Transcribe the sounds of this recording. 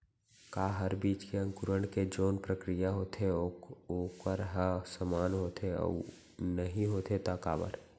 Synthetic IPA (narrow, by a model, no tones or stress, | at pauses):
kaːɦɐɾbiːt͡ʃkeɐ̃ŋkʊɾəɳ̃ked͡ʒoːnpɾəkɾijaɦoːt̪ʰeokəɾɦəsəmaːnɦoːt̪ʰeɔ̰ | nɐɦĩɦoːt̪ʰet̪aːka̰ːbə̰ɾ